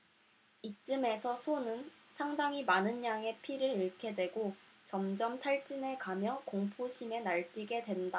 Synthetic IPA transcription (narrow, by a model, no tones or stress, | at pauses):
it͡ɕ͈ɯme̞sʰʌsʰonɯnsʰaŋdaŋimanɯnɲaŋe̞pʰiɾɯɾiɭkʰe̞dwe̞ɡot͡ɕʌmd͡ʑʌmtʰaɭt͡ɕ͈ine̞kamjʌkoŋpʰoɕʰime̞naɭk͈iɡe̞dwe̞nda